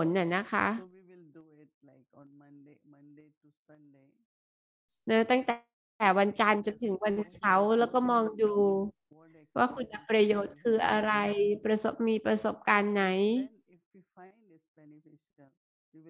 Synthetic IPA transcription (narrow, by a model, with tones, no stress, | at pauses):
pʰo˩˦nʔa˨˩na˦˥kʰa̰˦˥ | na˦˥t̪a˥˩ŋt̪ɛː˩˦ | wa˧nt͡ɕa˧nt͡ɕo˧nt̪ʰɯ˩˦ŋwa˧nsa˦˥wlɛː˦˥wkɔː˥˩mɔː˧ŋduː˧ | waː˥˩kʰu˧nʔa˧pɾa˧joː˨˦˩t̪̚kʰɯː˧ʔa̰˧ɾa˧jpɾa˧so˨˩p̚miː˧pɾa˧so˨˩p̚kaː˧nːa˦˥j